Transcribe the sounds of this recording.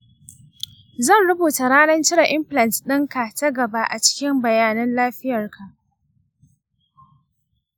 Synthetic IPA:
zɐ˦˨nɽʊ˦buː˨ta˨ɽaː˦nɐ˦nt͡ʃɪ˦ɽa˨ʔɪ˦mɸlɐ˨ntɗɪ˦ŋka˨tɐ˦ɡɐ˨ba˦ʔa˨t͡ʃɪ̥˦kʲɪ˦mbɐ˨jaː˦nɐ˦nlaː˦ɸɪ˦jɐ˨rkʰa˨ʔ

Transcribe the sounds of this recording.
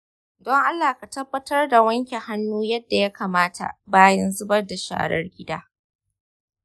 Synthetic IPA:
dɔ˦ŋʔa˦lːaː˨ka˨tɐ˦bːɐ˦tɐ˦rda˨wɐ˦ŋkʲe˨ha˦nːuː˦jɐ˦dːa˨ja˦kaː˨maː˦tʰa̰˨baː˦jɐ˦nzʊ˦bɐ˦rda˨ʃa̰ː˨ɽɐ̰˦rɡʲɪ˦daː˦

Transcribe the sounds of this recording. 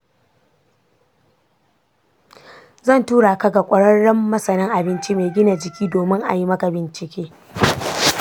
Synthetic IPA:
zɐ˦˨ntuː˦ɽaː˨kɐ˦ɡa˨kʷʼɐ˨ɽɐ˦ɽːɐ˦mːɐ˦sɐ˨nɪ˦ŋʔa˨bɪ˦nt͡ʃi˦me˨ɡʲɪ˦na˨d͡ʒɪ˨kʲʰiː˦doː˨mɪ˦ŋʔa̰˨ji˦mɐ˦ka˨bɪ˨nt͡ʃɪ˨kʲeː˦

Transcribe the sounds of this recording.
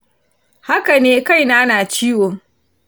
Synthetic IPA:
ha˦ka˨neː˦ka˦jnaː˦naː˨t͡ʃiː˦woː˨ŋ

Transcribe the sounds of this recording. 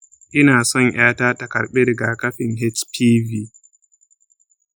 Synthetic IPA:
ʔɪ˦naː˨sɔ˦˨ŋj̰aː˦taː˦tɐ˨kɐ˨ɾɓeː˦dɡaː˨kɐ˦ɸɪ˨ŋɦɛ˦t͡ʃpʰiː˦viː˦

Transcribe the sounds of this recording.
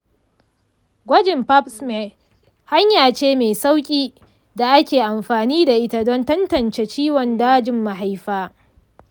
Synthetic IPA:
ɡʷɐ˦d͡ʒɪ˨mpa˦psme˨ | ha˦ɲjaː˨t͡ʃeː˦meː˨sa˦wkʲʼiː˦ | da˨ʔa˦kʲeː˨ʔa˨mɸaː˨niː˦da˨ʔɪ˦ta˨dɔ˦ntɐ˦ntɐ˨nt͡ʃe˨t͡ʃiː˦wɔ˨ndaː˦d͡ʒɪ˨mːa˨ɦa˦jɸaː˦

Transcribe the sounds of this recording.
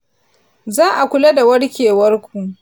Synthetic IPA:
zaː˦ʔa˨kʷʊ˨˦la˦da˨wɐ˦ɽkʲeː˨wɐ˦rkʷu˨ʔ

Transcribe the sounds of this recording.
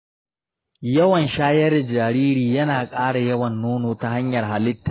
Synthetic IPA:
jɐ˦wɐ˨nʃaː˦jɐ˦rdd͡ʒaː˨ɾiː˦ɾiː˨jɐ˦naː˨kʼaː˦ɽa˨jɐ˦wɐ˨nːoː˦noː˨ta˦ɦa˦ɲjɐ˨rɦa˨lɪ˦tːaː˨

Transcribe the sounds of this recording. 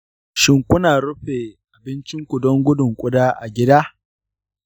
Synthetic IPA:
ʃɪ˦ŋkʷʊ˦naː˨ɽʊ˦ɸeː˨ʔa˨bɪ˦nt͡ʃɪ˦ŋkʷʊ˨dɔ˦ŋɡʷʊ˦dʊ˨ŋkʷʼʊ˦daː˦ʔa˨ɡʲɪ˦daː˦

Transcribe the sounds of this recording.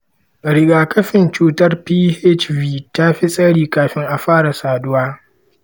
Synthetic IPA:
ɾɪ˨ɡaː˨kɐ˦ɸɪ˨nt͡ʃuː˦tɐ˦rpiː˦hɛ˦t͡ʃviː˦ta˦ɸi˦sʼɐ˦ɽiː˨kaː˨ɸɪ˦ŋʔa˨ɸaː˦ɽa˨saː˨dʊ˦waː˦

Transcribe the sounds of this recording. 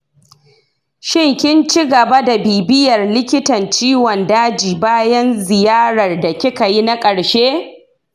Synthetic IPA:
ʃɪ˦ŋkʲɪ˦nt͡ʃɪ˦ɡɐ˨ba˦da˨biː˨bɪ˦jɐ˨rlɪ˦kʲɪ˦tɐ˨nt͡ʃiː˦wɔ˨ndaː˦d͡ʒiː˨baː˦jɐ˦nzɪ˨jaː˦ɾɐ˨rda˨kʲɪ˦ka˨ji˦na˦kʼɐ˨ɽʃeː˦

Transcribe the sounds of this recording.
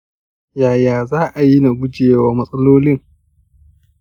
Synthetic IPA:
jaː˨jaː˨zaː˦ʔa˨ji˦na˨ɡʷʊ˦d͡ʒeː˨waː˦mɐ˦sʼɐ˦loː˦lɪ˦ŋ

